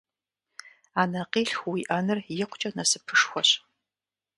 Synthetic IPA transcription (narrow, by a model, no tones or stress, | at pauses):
aːnɐqiːɬxwiʔɐnɨrjɪqʷt͡ʃʼɐnɐsɨpʰɨʂxʷɔɕ